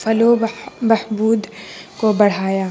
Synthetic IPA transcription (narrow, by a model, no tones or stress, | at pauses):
fɐlomɐhbuːd̪kobɐɽ̤aːjaː